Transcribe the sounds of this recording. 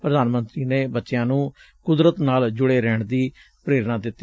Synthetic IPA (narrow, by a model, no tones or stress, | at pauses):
pɾəd̪aːnmənt̪ɾiːneːbətːʃjãːnũː | kʊd̪ɾət̪naːld͡ʒʊɽeːɾɛːɳd̪iː | pɾeːɾnãːd̪ɪt̪ːiː